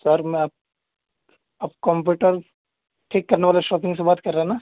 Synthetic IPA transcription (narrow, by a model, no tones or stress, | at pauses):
sɐɾmɛ̃aːp̚ | ɐbkɔ̃mp̬juːʈəɾ | ʈʰeːkːɐɾneʋaːleʃɔːpɪ̃ŋɡsebaːt̪kɐɾːaɦɛnaː